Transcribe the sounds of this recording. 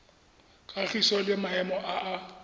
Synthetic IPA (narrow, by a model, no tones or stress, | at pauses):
kʼaχisɔlɪmaɛmɔʔaʔa